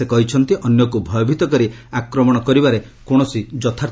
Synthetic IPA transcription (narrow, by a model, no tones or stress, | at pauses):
ekɔɦit͡ʃʰɔnt̪iʔɔnjɔkubʱɔjɔbʱit̪ɔkɔɾiakɾɔmɔɽ̃ɔkɔɾibaɾe | koɽ̃ɔsid͡ʒɔt̪ʰaɾ